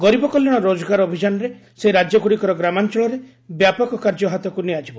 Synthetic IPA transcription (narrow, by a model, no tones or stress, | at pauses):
ɡɔɾibɔkɔljɔɽ̃ɔɾod͡ʒɔɡaɾobʱid͡ʒanɔɾe | seɾad͡ʒjɔɡuɽikɔɾɔɡɾamant͡ʃɔɭɔɾe | bjapɔkɔkaɾd͡ʒɔɦat̪ɔkuniad͡ʒibɔ